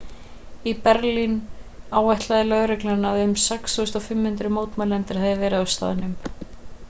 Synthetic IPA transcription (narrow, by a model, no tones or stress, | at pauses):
ipɛɾlinaːwvɛjht̪laðɪlœɣɾɛklanaðʏmsɛksθuːʏst̪ɔfɪmːhʏnt̪ɾʏmoːwt̪malɛnt̪ɪɾ̥hɛðɪvɛːɾɪast̪a̰ːðɪnʏm